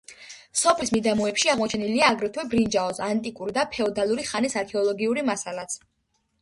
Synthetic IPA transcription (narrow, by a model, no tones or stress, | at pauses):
sɔpʰlismid̪amɔɛpʃiaʁmɔt͡ʃʰɛniliaːɡɾɛt̪ʰwɛbɾind͡ʒaɔsant̪ʼikʼuɾid̪apʰɛɔd̪alˠuɾiχanisaɾkʰɛɔlˠɔɡiuɾimasalat̪sʰ